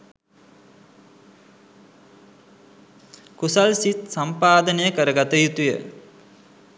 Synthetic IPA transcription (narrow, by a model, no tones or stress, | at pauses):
kusalsit̪̚sampaːd̪ənəjəkəɾəɡat̪əjut̪ujə̰